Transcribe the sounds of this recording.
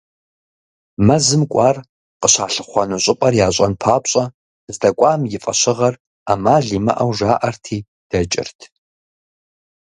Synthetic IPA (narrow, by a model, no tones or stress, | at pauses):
mɐzɨmkʷʼɑːr | qəɕaːɬɨχʷɐnuɕʼɪpʼɐrjaːɕʼɐnpʰaːpɕʼɐ | zdɐkʷʼɑːmjɪfʼɐʃɕɪʁɐr | aːmaːɮiːmɐ̰ʔɐwʒaːʔɐrtʰiː | d̥ɐt͡ʃʼɪ̰rtʰ